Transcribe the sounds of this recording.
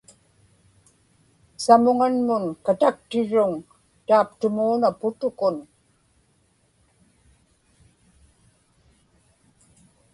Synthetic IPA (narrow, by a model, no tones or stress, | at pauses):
samʊŋanmʊnkat̪ak̚t̪ɪɻʊŋ | t̪aːpt̪ʊmuːnapʊt̪ʊkʊn